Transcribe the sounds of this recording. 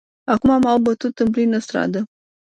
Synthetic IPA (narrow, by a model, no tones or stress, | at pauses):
akumamawbət̪ut̪ɨnplinəst̪ɾa̰d̪ə